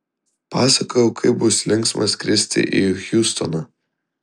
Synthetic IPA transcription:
pɑːsɐkojɛʊkʰɐɪp̚bʊslʲɪŋksmɐskʲɾʲɪsʲt̪ʲɪ̰ʔḭxʲjuːst̪ɔnɐ

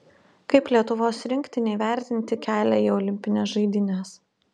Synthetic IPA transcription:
kɐɪplʲiɛt̪ʊʋoːsɾʲɪŋʲkʲt̪ʲɪnʲɛɪʋʲæˑɾʲt̪ʲɪnʲt̪ʲɪkʲæːlʲæiːɔlʲɪmʲpʲɪnʲɛːsʒɐɪd̪ʲɪnʲɛs

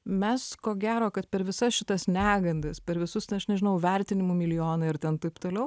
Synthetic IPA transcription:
mʲɛskoːɡʲæːɾoːkɐt̪pʲɛɾʋʲɪsɐsʃʲɪt̪ɐsnʲæːɡɐnd̪ɐspʲɛɾʋʲɪsʊst̪ʲɐɐʃnʲɛʒʲɪnɐʊʋʲɛɾʲt̪ʲɪnʲɪmuːmʲɪlʲɪjoːnɐɪɾt̪ʲɛnt̪ɐɪpt̪oːlʲɛʊ

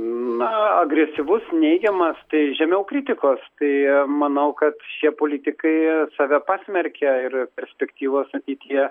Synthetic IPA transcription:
nɐɐɡɾʲɛsʲɪʋʊsnʲɛɪɡʲɛmɐst̪ɐɪʒʲɛmʲɛʊkɾʲɪt̪ʲɪkoːst̪ɐɪmɐnɐʊkɐt̪ʃʲiɛpoːlʲɪt̪ʲɪkɐɪsɑːʋʲɛpɑːsʲmʲɛɾʲkʲɛɪrpʲɛɾʲsʲpʲɛkt̪ʲiːʋoːsɐt̪ʲiːt̪ʲijɛ

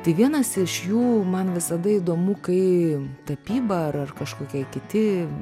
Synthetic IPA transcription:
t̪ɐɪʋʲiɛnɐsɪʃjuːmɐnʋʲɪsɐd̪ɐid̪oːmukɐɪt̪ɐpʲiːbɐɐrɐrkɐʃkoːkʲɛkʲɪt̪ʲɪ

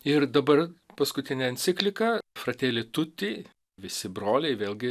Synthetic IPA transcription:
ɪɾd̪ɐbɐrpɐskʊt̪ʲɪnʲɛɐnʲt̪sʲɪkʲlʲɪkɐfɾɐt̪ʲeːlʲɪt̪ʊt̪ʲɪ | ʋʲɪsʲɪbɾoːlʲɛɪʋʲeːlˠʲɡʲɪ

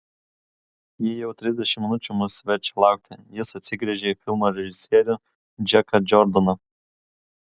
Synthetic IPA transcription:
jɪjɛʊt̪ʲɾʲɪzʲd̪ʲɛʃʲɪmʲːnʊt͡ʃʲʊmʊsʋʲɛɾʲt͡ʃʲɛ̥lˠɑʊk̚t̪ʰʲɪjɪsɐt̪ʲsʲɪɡɾʲiʒʲeifʲɪlˠmoɾʲɛʒʲɪsʲjeɾʲʊ | d͡ʒʲɛkɐd͡ʒɔɾd̪ɔnɐ

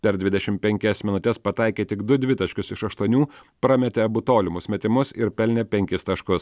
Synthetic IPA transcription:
pʲɛɾd̪ʲʋʲɪd̪ʲɛʃʲɪmpʲɛŋʲkʲɛsmʲɪnʊt̪ʲɛspɐt̪ɑɪkʲeːt̪ʲɪɡd̪ʊd̪ʲʋʲɪt̪ɐʃʲkʲʊsɪʃɐʃt̪uɔnʲuːpɾɑmʲɛt̪ʲeɐbʊt̪oːlʲɪmʊsʲmʲɛt̪ʲɪmʊsɪɾpʲɛlʲnʲɛpʲɛŋʲkʲɪst̪ɐʃkʊs

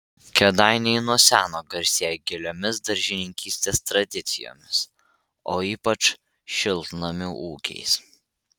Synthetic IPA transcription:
kʲɛd̪ɑˑɪnʲɛɪnuɔsʲæːnoːɡɐɾʲsʲeːjɛɡʲɪlʲoːmʲɪsd̪ɐɾʲʒʲɪnʲɪŋʲkʲiːsʲt̪ʲeːst̪ɾɐd̪ʲɪt̪sʲɪ̰jo̰ːmʲɪs | oːiːpɐt͡ʃ | ʃʲɪlˠt̪nomʲɪuːkʲɛ̰ɪs

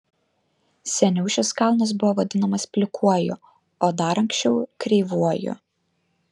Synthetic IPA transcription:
sʲɛnʲɛʊʃʲɛskɑˑlˠnɐs̬bʊʋɔʋɐd̪ʲɪnɐmɐspʲlʲɪkʰuɔjʊ | oːd̪ɐɾɐŋksʲt͡ʃʲɛʊkɾʲɛɪʋuɔjʊ̰

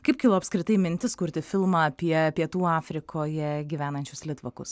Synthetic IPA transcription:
kɐɪp̚kʲɪlˠoːɐpskɾʲɪt̪ɐɪmʲɪnʲt̪ʲɪskʊɾʲt̪ʲɪfʲɪlˠmɑːɐpʲiɛpʲiɛt̪uːɑːfʲɾʲɪkʰoːjɛɡʲiːʋʲæːnɐnʲt͡ʃʲʊslʲɪt̪ʋɐkʊs

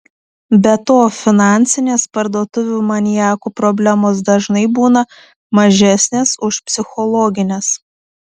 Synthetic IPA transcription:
bʲɛt̪oːfʲɪnɑˑnʲtsʲɪnʲeːspɐɾd̪uɔt̪ʊʋʲuːmɐnʲɪjæːkuːpɾɔbʲlʲæmoːs̬d̪ɐʒnɐɪbuːnɐ | mɐʒʲæsʲnʲeːsʊʃpʲsʲɪxɔlˠɔːɡʲɪnʲeːs

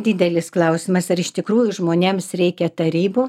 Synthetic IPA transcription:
d̪ʲɪd̪ʲɛlʲɪsklˠɐʊsʲɪmɐsɐɾɪʃt̪ʲɪkɾuːjʊʒmoːnʲeːmsɾʲɛɪkʲɛt̪ɐɾʲiːboː

